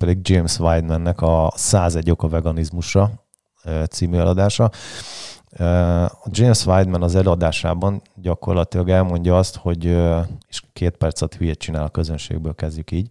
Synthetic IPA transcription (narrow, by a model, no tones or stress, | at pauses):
pɛd̪iɡ̚d͡ʒeːmsʋajd̪mɛnːɛkɒsaːzɛɟokɒvɛɡɒnizmuʃɒ | øt̪siːmyɛlɒd̪aːʃɒ | øɒd͡ʒeːmsʋajd̪mɛnɒzɛløːɒd̪aːʃa̰ːbɒnɟɒko̞rlɒt̪ilɒɡɛlmo̞ɲɟɒɒst̪ho̞ɟøeːʃkeːt̪pɛrt̪sɒt̪hyjɛt̪t͡ʃinaːlɒkø̞zønʃḛːɡ̚bøːlkɛzɟykiːɟ